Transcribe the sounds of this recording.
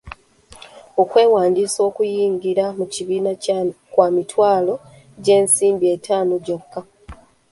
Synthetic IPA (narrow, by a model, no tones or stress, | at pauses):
o̞kwe̞ːwaːndiːso̞ːkujiːŋɡiɾamuciβiːnakwaːmitwaːlo̞ | ɟe̞ːnsiːmbietʰaːnoɟokːa